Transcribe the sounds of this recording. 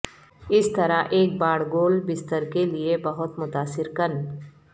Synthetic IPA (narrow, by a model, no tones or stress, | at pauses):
ɪst̪ɐɾaʔeːk̚baːɽɡoːlbɪst̪əɾkeliebɐɦʊt̪mʊt̪aːsɪɾkɐn